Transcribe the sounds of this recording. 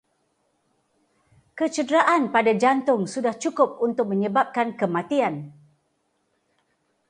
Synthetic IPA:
kət͡ʃədɾaʔanpadad͡ʒant̪ʊŋsudaht͡ʃukʊp̚unt̪ʊk̚mə̃ɲə̃bap̚kankəmat̪ian

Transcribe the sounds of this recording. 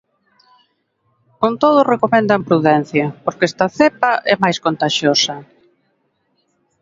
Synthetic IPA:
kont̪oð̞ʊrekomɛ̃nd̪ɐmpɾuðɛn̟θjɐpoɾkɛst̪ɐθepɐʔɛmajskont̪aʃjosɐ

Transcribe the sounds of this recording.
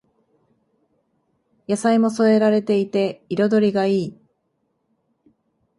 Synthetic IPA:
jasaimo̞so̞e̞ɾaɾe̞t̪e̞it̪e̞iɾo̞d̪o̞ɾʲiɡaiː

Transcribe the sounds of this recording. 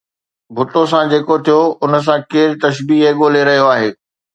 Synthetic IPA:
bʱʊt̪os̬ãd͡ʑeːkot̪ʰijoʊnə̆s̬ãkeːɾt̪ɐʃbiːɦeɠoːleɾɐɦijoaːɦeː

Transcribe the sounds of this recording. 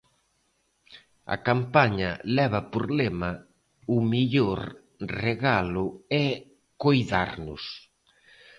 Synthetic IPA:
ɐ̰kampaɲɐ̰lɛβɐpoɾlemɐ | ʊmiʎoɾ | reɣalʊɛ | kojða̰ɾnʊ̰s

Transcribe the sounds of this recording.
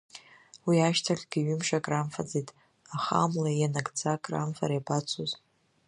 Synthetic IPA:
wiaʃtʰaχʲɡʲiɥʏmʂakʼramfad͡zetʼ | aχa̰mlajanaɡʼt͡sʰakʼra̰mfa̰ɾajbat͡sʷʰoz

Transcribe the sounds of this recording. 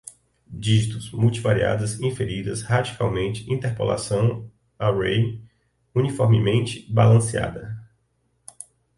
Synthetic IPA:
d͡ʒiʒit̪ʊzmuwt͡ʃivaɾia̰d̪ɐzĩfeɾid̪ɐshad͡ʒikawmẽnt͡ʃɪ̥ĩnt̪eɾpo̰la̰sɐ̃w̃ | aɾej | unifɔɾmɪmẽnt͡ʃɪ̥balɐ̃sia̰d̪ɐ

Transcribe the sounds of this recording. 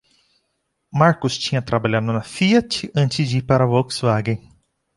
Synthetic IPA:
maɾkʊst͡ʃĩɲɐt̪ɾabaʎad̪ʊnɐfiɐt͡ʃɪɐ̃nt͡ʃɪzd͡ʒipaɾɐwɔksvaɡẽ

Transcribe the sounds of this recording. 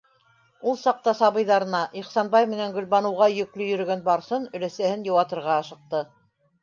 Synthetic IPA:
ulˠsɑq̚t̪ɑsɑβɤ̆jðɑɾɤ̆nɑʔiχsɑnbɑjmɘ̆næŋɡɵ̆lβɑnɤ̆wʁɑjɵ̆klɵjɵ̆ɾɵ̆ɡænbɑɾsɤnɵ̆læsæhɘnjɤ̆wɑt̪ɤ̆ɾʁɑɑʃɤ̆q̚t̪ɤ

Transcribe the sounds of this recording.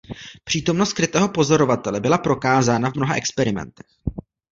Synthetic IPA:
pr̝̥iːt̪o̞mnost̪kɾɪt̪ɛːɦo̞po̞zo̞ɾo̞vat̪ɛlɛbɪlapɾo̞kaːzaːnavmno̞ɦaʔɛkspɛɾɪmɛ̰nt̪ɛ̥x

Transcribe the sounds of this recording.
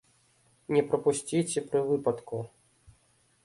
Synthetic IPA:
nʲɛpɾɐpusʲt͡sʲit͡sʲɛpɾɨvɨpɐt̪ku

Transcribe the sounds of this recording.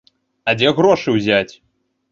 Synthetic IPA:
ɐd͡zʲɛɣɾɔʂɨwzʲat͡sʲ

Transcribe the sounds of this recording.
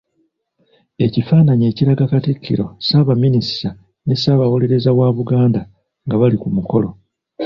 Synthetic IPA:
e̞cifaːnaɲe̞ːciɾaɡakatikʰːḭɾo̞saβaminisa | ne̞saβawo̞le̞ɾe̞zawaβuɡaːnda | ŋɡaβalikumuko̞lo̞

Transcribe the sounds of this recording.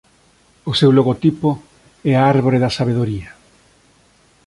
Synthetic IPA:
osewloɣot̪ipo | ɛaaɾβoɾeðasaβ̞eð̞oɾia

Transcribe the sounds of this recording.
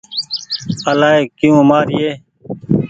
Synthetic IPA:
əlaːeːkijũːmaːɾijeː

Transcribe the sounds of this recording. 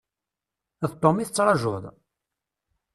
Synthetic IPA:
ðt̪ˤːomiθət͡sːɾˤɑʒʊðˤ

